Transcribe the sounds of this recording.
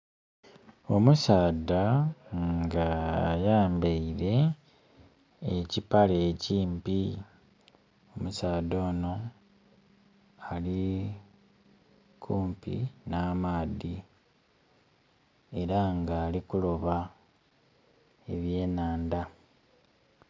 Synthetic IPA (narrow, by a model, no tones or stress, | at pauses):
o̞musaːdaŋɡajaːmbeiɾe̞ | cipaleːciːmpi | o̞musaːdo̞ːno̞ | ali | kʰuːmpḭnaːmaːdi | e̞ɾaŋɡaːlikulo̞βa | e̞βje̞ːnaːnd̪a